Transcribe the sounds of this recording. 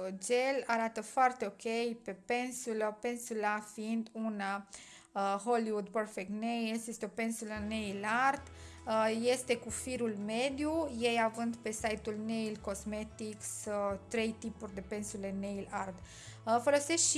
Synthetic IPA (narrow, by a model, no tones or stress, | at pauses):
d͡ʒe̞laɾat̪əfoart̪e̞o̞kʲe̞jpe̞pe̞nsuləpe̞nsulafiind̪una | ɦo̞liwud̪̚pərfek̚t̪nejlsjest̪eo̞pe̞nsuləne̞jlard̪je̞st̪e̞kufiɾulme̞d̪juje̞javɨnd̪pe̞sajt̪ulne̞jlko̞sme̞t̪ikst̪ɾe̞jt̪ipurʲd̪e̞pe̞nsule̞nejlard̪ | fo̞lo̞se̞sʃi